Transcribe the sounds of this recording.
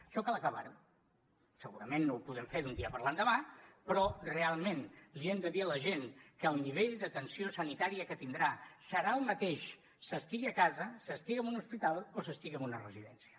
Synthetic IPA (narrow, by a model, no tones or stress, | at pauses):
ʃɔkalˠəkəβa̰ɾu | səɣuɾəmenːowpuðɛmfeɾðund̪iəpəɾland̪əβapɾɔrealˠmenliɛmd̪əðiələʒenkəːlˠniβeʎd̪ət̪ənsiosənit̪aɾiəkət̪ind̪ɾasəɾaəlˠmət̪eʃ | səst̪iɣiəkazəsəst̪iɣiəmunuspit̪alˠosəst̪iɣiəmunərəziðɛnsiə